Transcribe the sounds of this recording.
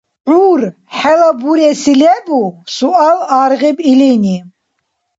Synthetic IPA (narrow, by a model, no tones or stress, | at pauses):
ʕuːɾ | ħɛlabuɾɛsilɛbusualaɾɣibilini